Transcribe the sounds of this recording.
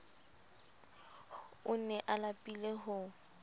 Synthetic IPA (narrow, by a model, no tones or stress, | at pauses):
ʊnɛʔalapʼileɦʊ